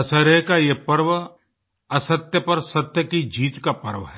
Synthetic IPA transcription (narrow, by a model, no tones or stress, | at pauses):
ɐsəɾekajepɐɾʋ | ɐsət̪jəpɐɾsɐt̪jəkid͡ʒiːt̪kapɐɾʋɦɛ